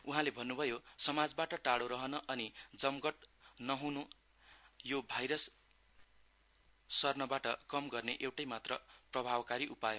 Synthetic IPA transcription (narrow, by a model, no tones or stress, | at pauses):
uɦãlebʱʌnːubʱʌjosʌmad͡zbaʈʌʈaɽoɾʌɦʌnʌʔʌnid͡zʌmɡʌʈnʌɦunu | jobʱajɾʌs | ʌrnʌbaʈʌkʌmɡʌrneʔewʈʌjmat̪rʌprʌbʱabkaɾiʔupajo